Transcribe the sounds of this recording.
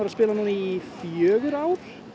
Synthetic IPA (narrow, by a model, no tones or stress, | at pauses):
aɾaspɪːlanuːniifjœːɣʏɾaːwɾ̥